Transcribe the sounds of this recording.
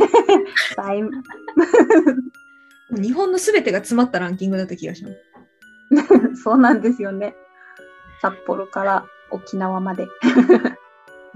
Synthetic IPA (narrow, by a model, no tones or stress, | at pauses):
t̪aim | moːɲ̟iɦõ̞nːo̞sɨbe̞t̪e̞ɡat͡sɨmat̪ːaɾãŋkʲĩŋɡɯ̟d̪at̪ːakʲiɡaɕimasɨ̥ | so̞ːnãnd̪e̞sɨjo̞ne̞ | sapːo̞ɾo̞kaɾa | okʲinaβamad̪e̞